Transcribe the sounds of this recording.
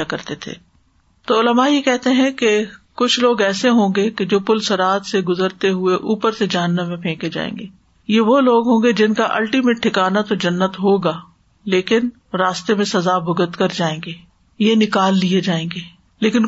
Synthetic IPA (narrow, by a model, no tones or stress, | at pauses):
akɐɾt̪et̪ʰḛː | t̪oːʊləmajekɛɦt̪eɦɛ̃kekʊt͡ʃʰloːɡɛːseɦõːɡeked͡ʒoːpʊlsɐɾaːt̪seɡʊzəɾt̪eɦʊeʔuːpəɾsed͡ʒɐɦənːə̃mːẽpʰẽːked͡ʒa̰ːḛ̃ːŋɡeː | jeʋoloːɡɦõːŋɡed͡ʒɪnkaʔɐ̰lʈimeːʈ̚ʈʰːɪkaːnat̪od͡ʒɐnːət̪ɦoːɡaː | leːkɪn | ɾaːst̪emẽsɐzabʱʊɡət̪kɐɾd͡ʒaːẽːŋɡeː | jenɪkaːlːied͡ʒaːẽːŋɡeː | leːkɪn